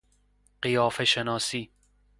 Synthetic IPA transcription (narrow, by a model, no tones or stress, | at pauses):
ɢijɒːfeʃenɒːsiː